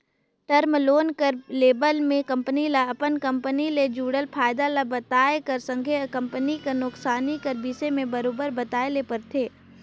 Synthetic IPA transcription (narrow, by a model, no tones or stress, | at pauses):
ʈəɾmloːnkəɾleːbəlmẽkɐ̃mpənilaɐpənkə̃mpəniled͡ʒuːɽəlpʰaːɪd̪alabɐt̪aːekəɾsə̃ŋɡʱekə̃mpənikənʊksaːnikəɾbiːsemẽbɐɾoːbəɾbɐt̪aːelepəɾt̪ʰeː